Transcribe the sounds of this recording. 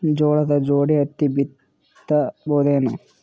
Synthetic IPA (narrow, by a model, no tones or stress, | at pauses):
d͡ʒoːɭɐd̪ɐd͡ʒoːɽiɐt̪ːibit̪ː | ɐboːd̪eːnɐ